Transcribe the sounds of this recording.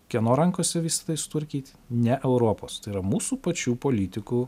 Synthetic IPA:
kʲiɛnoːɾɐŋkoːsʲɛʋʲɪsʲɪ̥t̪ɐɪsʊ̥t̪ʋɐɾʲkʲiːt̪ʲ | nʲɛʔɛʊɾoːpoːst̪ɐɪiɾɐmuːsuːpɐt͡ʃʲuːpoːlʲiːt̪ʲɪkuː

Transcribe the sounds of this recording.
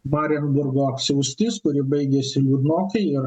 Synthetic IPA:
mɑːɾʲɛnbʊɾɡoːɐpʲsʲɛʊsʲt̪ʲɪskʊɾʲɪbɐɪɡʲɛsʲɪlʲuːd̪noːkʲɛɪɪɾ

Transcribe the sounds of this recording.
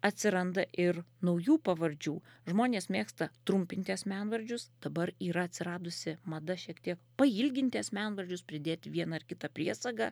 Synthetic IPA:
ɐt̪ʲsʲɪɾɐnd̪ɐʔɪɾnɐʊjuːpɐʋɐɾʲd͡ʒʲuːʒmoːnʲeːsmʲeːkst̪ɐt̪ɾʊmʲpʲɪnʲt̪ʲɪɐsmʲænʋɐɾʲd͡ʒʲʊsd̪̥ɐbɐɾiːɾɐɐt̪ʲsʲɪɾɑːd̪ʊsʲɪmɐd̪ɐʃʲiɛkt̪ʲiɛkpɐilʲɡʲɪnʲt̪ʲɪɐsmʲæːnʋɐɾʲd͡ʒʲʊspʲɾʲɪd̪ʲeːt̪ʲɪʋʲiɛnɐɪɾkʲɪt̪ɐpʲɾʲiɛsɐɡɑː

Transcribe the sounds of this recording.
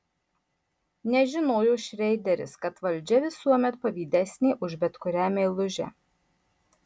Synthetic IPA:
nʲɛʒʲɪnoːjʊʃʲɾʲɛɪd̪ʲɛɾʲɪ̰skɐt̪ʋɐlʲˑd͡ʒʲɛʋʲɪsuɔmʲɛt̪̚pɐʋʲiːd̪ʲɛsʲnʲiːʔʊʒbʲɛt̪kʊɾʲæːmʲelˠʊʒʲɛ̰

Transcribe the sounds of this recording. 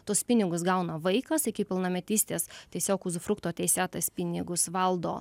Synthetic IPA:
t̪oːspʲɪnʲɪɡʊsɡɐʊnɐʋɐɪkɐsɪkʲɪpʲɪlˠnɐmʲɛt̪ʲiːsʲt̪ʲeːst̪ʲiɛsʲoːkʊzʊfɾʊkt̪oːt̪ʲɛɪsʲɛt̪ɐspʲɪnʲɪɡʊsʋɐlˠd̪o̰ː

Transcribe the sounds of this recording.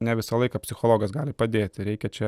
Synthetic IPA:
nʲɛʋʲɪsɐlˠɐɪkɐpʲsʲɪxoːlˠoːɡɐsɡɑːlʲɪpɐd̪ʲeːt̪ʲɪɾʲɛɪkʲɛt͡ʃʲɛ

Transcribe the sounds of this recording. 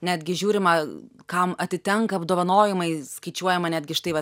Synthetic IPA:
nʲæːd̪ʲɡʲɪʒʲuːɾʲɪmɐkɐmɐt̪ʲɪt̪ʲɛŋkɐɐbd̪oːʋɐnoːjɪmɐɪskɐɪt͡ʃʲuɔjɛmɐnʲæːd̪ʲɡʲɪʃt̪ɐɪʋɐ

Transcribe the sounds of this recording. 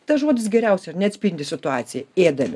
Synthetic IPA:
t̪ɐʒoɔd̪ʲɪs̬ɡʲɛɾʲɛˑʊsʲɛnʲɛɐt̪sʲpʲɪnʲd̪ʲɪsʲɪt̪ʊɑːt̪sʲɪjɛeːd̪ɐʋʲɪ

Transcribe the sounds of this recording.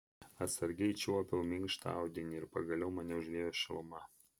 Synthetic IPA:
ɐt̪sɐɾʲɡʲɛɪt͡ʃʲupʲɪlˠmʲɪŋkʃt̪a̰ˑʊd̪ʲɪnʲɪɪɾpɐɡɐlʲɛʊmɐnʲɛʊʒʲʋʲeːjoːʃʲɪlˠʊmɐ

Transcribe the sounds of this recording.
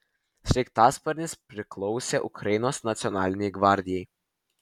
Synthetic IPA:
sʲɾʲɛkt̪ɑːspɐɾʲnʲɪspʲɾʲɪklˠɔʊsʲeʔʊkɾɐjɪnoːsnɐt̪sʲɔnɑːlʲɪnʲɛɪɡʋɑˑɾʲd̪ʲɪjɛj

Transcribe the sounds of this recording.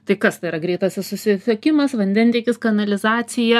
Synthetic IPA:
t̪ɐɪkɐst̪ɐɪiɾɐɡɾʲɛɪt̪ɐsʲɪsʊsʲɪsʲɛkʲɪmɐsʋɐnʲd̪ʲɛnʲt̪ʲiːkʲɪskɐnɐlʲɪzɑːsʲɪjɛ

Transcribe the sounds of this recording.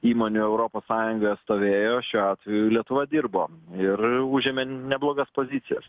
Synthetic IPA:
iːmoːnʲuɛʊɾoːpoːssɑːjʊŋɡoːjɛt̪st̪oːʋʲeːjoːʃʲuːɑːt̪ʲʋʲɛjʊlʲiɛt̪ʊʋɐd̪ʲɪrboːɪruʒʲɪmʲenʲɛblˠoːɡɐspoːzʲɪsʲɪjɛs

